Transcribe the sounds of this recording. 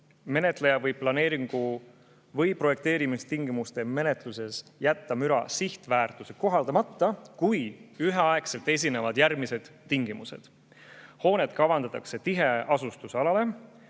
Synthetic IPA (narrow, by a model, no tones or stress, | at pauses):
me̞ne̞t̪ˑle̞jɑvɤjb̚pːlɑne̞ːɾiŋɡ̥u | vɤjpro̞je̞k̚t̪e̞ːɾimist̪iŋɡ̥imust̪e̞me̞net̪ˑluse̞sjæt̪ːɑmyɾɑ̰siht̪væːrt̪useko̞ɦɑld̪ɑmɑt̪ːɑkujyɦeɑekse̞lt̪ˑe̞s̬ʲine̞vɑd̪̥jæɾmised̪̥t̪ːiŋɡ̥imuse̞̰d̪̥ | ho̞ːne̞d̪kɑvɑnd̪̥ɑt̪ːˑɑkse̞t̪iɦe̞ɑsust̪usɑlɑle̞